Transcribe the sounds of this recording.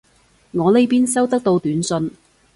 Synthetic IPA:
ŋɔː˨˧le˨˥jpiː˥nsɐ˥wt̪ɐ˥k̚t̪o˧wt̪yː˨˥nsɵ˧n

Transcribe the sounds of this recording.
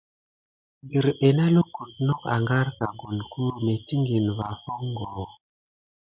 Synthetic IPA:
bi˨ɾɓe˨na˦lo˦ku˨tno˦ka̰˨ŋɡa˦ɾka˨ɡo˨nku˦me˨ti˦ŋɡi˨nva˨ho˦ŋɡo˨

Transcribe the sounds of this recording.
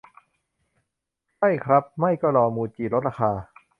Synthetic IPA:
t͡ɕʰa˥˩jkʰɾa˦˥p̚ma˥˩jkɔː˥˩lɔː˧muː˧t͡ɕiː˨˩lo˦˥t̪̚ɾa˧xʰaː˧

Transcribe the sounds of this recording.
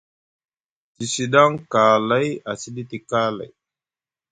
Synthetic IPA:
ti˨si˨ɗa˦ŋka˨la˦ja˨si˦di˦ti˨ka˦la̰˨j

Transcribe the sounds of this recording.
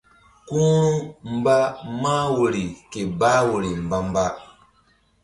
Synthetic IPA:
kũ˦u˦m̩˨ba˦ma˦wo˨ɾi˨ke˨ba˦wo˨ɾi˨m̩˨ba˦m˦ba˦

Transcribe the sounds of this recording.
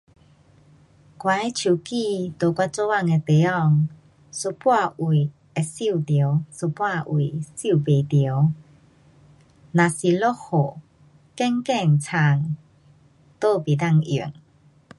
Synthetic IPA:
kwa˨˦e˦t͡ɕʰju˨˩ki˥˧˨t̪o˨˩kwa˧˥t͡sɔ˦a˥˧˨ŋe˧t̪e˨˦ɔ˧˨ŋ | su˧˦pwa˥˧u˨˩˨ | e˧si˥˧˨t̪jə˨˧˦wsu˧˩pwa˥˧ʔu˨si˥˩˨be˨t̪jw | nã˨si˨lo˦ho˨ | kɛ˧˦ŋkɛ˥˧˨ŋt͡sʰa˧˩ŋ | t̪o˥˧pi˨˩d̪a˥˧˨ŋḭ˨˩˨ŋ

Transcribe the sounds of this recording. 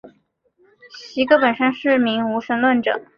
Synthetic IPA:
ɕi˧˥ɡə˧pə˨˩nʂə˥nʂɻ̩˥˩mi˧˥ŋu˧˥ʂə˧˥nlwə˥˩nʈ͡ʂɤ̰˨˩˦

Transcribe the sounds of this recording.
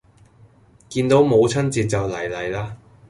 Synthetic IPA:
kiː˧nt̪o˨˥wmo˨˧wt͡sʰɐ˥nt͡siː˨˧t̚t͡sɐ˨wlɐ˨˩jlɐ˨˩jlaː˥

